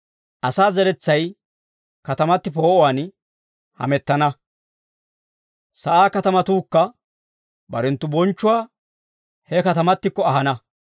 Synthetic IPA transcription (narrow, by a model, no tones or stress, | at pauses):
ʔɐsaːzɛɾɛt͡sːɐj | kɐt̪ɐmɐt̪ːɪpo̞ːʔɔwan | hɐ̰mɛt̪ːɐnɐ | sɐʔaːkɐt̪ɐmɐt̪uːkːɐ | bɐ̰ɾɛnt̪ːʊbɔnt͡ʃːʊwaː | hɛkɐt̪ɐmɐt̪ːɪkːɔɐɦɐnɐ